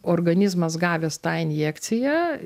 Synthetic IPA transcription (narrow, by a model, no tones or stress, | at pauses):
oːrɡɐnʲɪzmɐsɡɑːʋʲeːst̪ɑːɪnʲjeːkt̪sʲɪjæː